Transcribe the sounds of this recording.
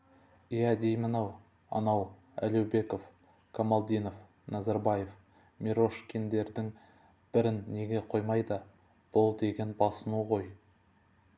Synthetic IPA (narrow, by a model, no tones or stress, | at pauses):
ijæd̪e̞jmənɑw | ɑ̰nɑw | æ̰lewbe̞ko̞f | kʰomalˠd̪ʲijno̞f | nɑzɑɾbɑje̞f | mʲiɾo̞ʃkʲʰend̪e̞ɾd̪ɪŋ | b̥ɪɾɪnːe̞ɡʲe̞qʰo̞jmɑjd̪ə | b̥ʊlˠd̪e̞ɡʲe̞nbɑsənuʁo̞j